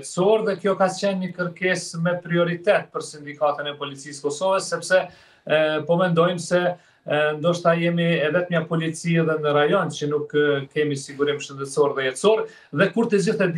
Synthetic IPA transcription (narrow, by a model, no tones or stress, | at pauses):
t̪sɔɾðɛkjɔkat͡ɕɛnɲəkəɾkɛsmɛpɾiɔɾit̪ɛt̪̚pəɾsind̪ikat̪ənɛpɔlit͡siskɔsɔvəsːɛpsɛ | pɔmɛnd̪ɔjmsɛ | nd̪ɔʃt̪ajɛmiɛvɛt̪ɲapɔlit͡siɛðɛnəɾajɔnt͡ɕənukʰːɛmisiɡuɾimʃənd̪ɛt̪sɔɾðɛjɛt̪sɔɾ | ðɛkuɾt̪əd͡ʑiθɛd̪